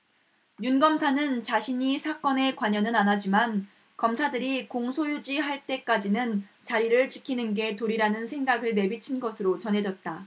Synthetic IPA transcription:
junɡʌmsʰanɯnt͡ɕaɕʰiɲisʰak͈ʌne̞kwaɲʌnɯnanɦad͡ʑiman | kʌmsʰadɯɾikoŋsʰojud͡ʑiɦaɭt͈e̞k͈ad͡ʑinɯnt͡ɕaɾiɾɯɭt͡ɕi̥kʰinɯnɡe̞toɾiɾanɯnsʰe̞ŋɡaɡɯɭne̞bit͡ɕʰinɡʌsʰɯɾot͡ɕʌnɦe̞d͡ʑʌt̚t͈a

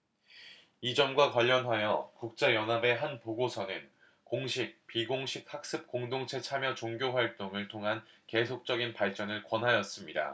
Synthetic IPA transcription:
id͡ʑʌmɡwakwaʎːʌnɦajʌkuk̚t͡ɕ͈ajʌnɦabe̞ɦanpoɡosʰʌnɯn | koŋɕʰik̚piɡoŋɕʰik̚hak̚s͈ɯp̚k͈oŋdoŋt͡ɕʰe̞t͡ɕʰamjʌt͡ɕoŋɡjoɸwaɭt͈oŋɯɭtʰoŋɦanke̞sʰok̚t͡ɕ͈ʌɡinpaɭt͡ɕ͈ʌnɯɭkwʌnɦajʌs͈ɯmɲida̰

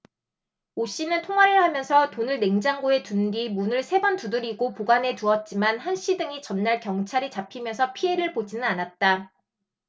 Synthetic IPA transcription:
oɕ͈inɯntʰoŋaɾɯɭhamjʌnsʰʌtonɯɭne̞ŋd͡ʑaŋɡoe̞tundimunɯɭsʰe̞bʌntudɯɾiɡopoɡane̞tuʌt̚t͡ɕ͈imanhanɕ͈ʰidɯŋit͡ɕʌnːaɭkjʌŋt͡ɕʰaɾit͡ɕapʰimjʌnsʰʌpʰie̞ɾɯɭbod͡ʑinɯnanat̚t͈a

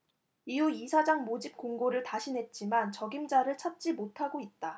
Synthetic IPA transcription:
iuisʰad͡ʑaŋmod͡ʑip̚k͈oŋɡoɾɯɭtaɕʰinɦe̞t̚t͡ɕ͈imant͡ɕʌɡimd͡ʑaɾɯɭt͡ɕʰat̚t͡ɕ͈imotʰaɡoit̚t͈a

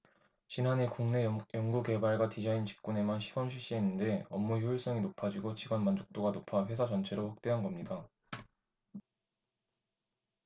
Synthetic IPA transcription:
t͡ɕinane̞kuŋne̞jʌŋɡuke̞baɭɡwatid͡ʑaint͡ɕi̥k̚k͈une̞manɕʰiɡʌmɕʰiɕ͈ienːɯnde̞ʌmːuçjoiɭs͈ʌŋinopʰad͡ʑiɡot͡ɕiɡʌnmand͡ʑok̚t͈oɡanopʰaɸwe̞sʰad͡ʑʌnt͡ɕʰe̞ɾoɸwak̚t͈e̞ɦanɡʌmɲida

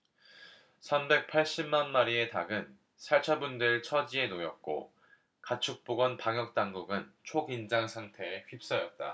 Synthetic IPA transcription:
sʰambe̞k̚pʰaɭɕ͈immanmaɾie̞taɡɯn | sʰaɭt͡ɕʰabundɯɭt͡ɕʰʌd͡ʑie̞nojʌt̚k͈o̰ | kat͡ɕʰuk̚p͈oɡwʌnpaŋjʌk̚t͈aŋɡuɡɯnt͡ɕʰoɡind͡ʑaŋsʰaŋtʰe̞ːɸɥip̚s͈ʌjʌt̚t͈a̰

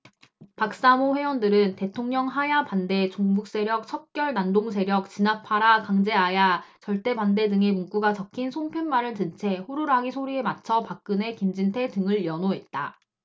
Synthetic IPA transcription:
pak̚s͈amoɸwe̞wʌndɯɾɯnte̞tʰoŋɲʌŋɦajapande̞t͡ɕoŋbuk̚s͈e̞ɾjʌk̚t͡ɕʰʌk̚k͈jʌɭnandoŋsʰe̞ɾjʌk̚t͡ɕinapʰaɾakaŋd͡ʑe̞ajat͡ɕʌɭt͈e̞pande̞dɯŋe̞muŋk͈uɡat͡ɕʌkʰinsʰoŋpʰjʌnmaɾɯɭtɯnt͡ɕʰe̞hoɾuɾɦaɡisʰoɾie̞mat͡ɕʰʌpak̚k͈ɯne̞kind͡ʑintʰe̞tɯŋɯɭjʌnoɦe̞t̚t͈a

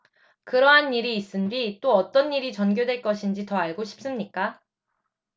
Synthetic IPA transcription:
kɯɾʌɦanːiɾiːs͈ɯndɥit͈oʌt͈ʌnːiɾit͡ɕʌnɡjodwe̞ɭk͈ʌɕʰind͡ʑitʌaɭɡoɕʰi̥p̚s͈ɯmɲik͈a

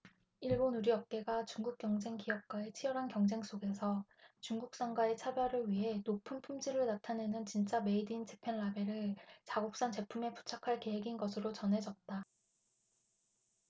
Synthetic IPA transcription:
iɭbonuɾiʌp̚k͈e̞ɡat͡ɕuŋɡuk̚k͈jʌŋd͡ʑe̞ŋkijʌp̚k͈wae̞t͡ɕʰijʌɾɦankjʌŋd͡ʑe̞ŋs͈oɡe̞sʰʌt͡ɕuŋɡuk̚s͈aŋɡwae̞t͡ɕʰabjʌɾɯɭɥiɦe̞nopʰumpʰumd͡ʑiɾɯɭnatʰane̞nɯnt͡ɕint͡ɕ͈ame̞idint͡ɕʰepʰe̞nlabe̞ɾɯɭt͡ɕaɡok̚s͈aŋt͡ɕe̞pʰume̞pu̥t͡ɕʰakʰaɭke̞ɦeɡinɡʌsʰɯɾot͡ɕʌnɦe̞d͡ʑʌt̚t͈a

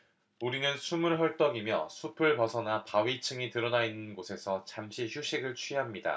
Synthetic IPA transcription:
uɾinɯnsʰumɯɭɦʌɭt͈ʌɡimjʌ̰sʰupʰɯɭpʌsʰʌnapawit͡ɕʰɯŋitɯɾʌnainːɯnɡosʰe̞sʰʌt͡ɕamɕʰiçuɕ͈ʰiɡɯɭt͡ɕʰuiɦamɲida̰

